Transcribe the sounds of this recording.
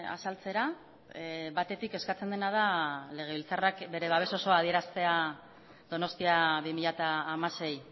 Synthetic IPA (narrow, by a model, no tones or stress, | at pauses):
a̰salt͡se̞ɾa | βat̪e̞t̪ike̞skat͡se̞nd̪e̞naðale̞ɣ̞e̞βilt͡sarakbe̞ɾe̞βaβ̞e̞so̞so̞að̞ie̞ɾast̪e̞a | d̪o̞no̞st̪iaβimiʎat̪aːmase̞j